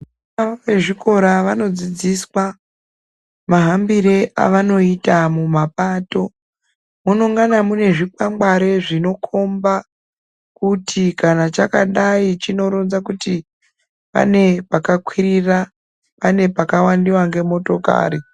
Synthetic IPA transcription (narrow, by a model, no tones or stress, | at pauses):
aʋe̞ʐiko̞ɾaʋano̞d͡zid͡ziswa | maɦambiɾeʔa̰ʋano̞itamumapaːto̞ | munoŋɡanamune̞ʐik͡pamɡ͡baɾe̞ʐino̞kʰo̞mba | kutʰikanat͡ʃakaɗait͡ʃino̞ɾonzakuti | pa̰ne̞pakakwirira | pane̞pakawandiwaŋɡe̞mo̞to̞ka̰ːɾi